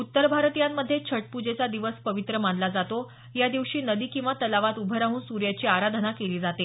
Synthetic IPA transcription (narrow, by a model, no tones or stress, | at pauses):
ut̪ːəɾbʱaɾt̪ijamːəd̪ʱːjet͡ɕʰəʈ̚pud͡ʑet͡sad̪iʋəspəʋit̪ɾəmanlad͡zat̪o | jad̪iʋɕiːnəd̪iːkĩw̃ʋat̪əlaʋat̪ubʱəɾaɦuːnsuɾjat͡ɕiːaɾad̪ʱənakeliːd͡zat̪e